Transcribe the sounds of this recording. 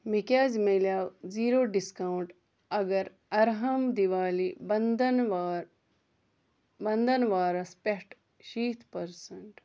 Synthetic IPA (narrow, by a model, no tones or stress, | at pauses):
mikaːd͡ʒmeljaːwziːɾoːɖiskawɳʈ | ɐɡɐɾ | ɐɾɦɐmd̪iʋaːlibnd̪nʋɾ | bɐnd̪ɐnʋaːɾɐspeʈ | ʃiːt̪ʰpɐɾsɐɳʈ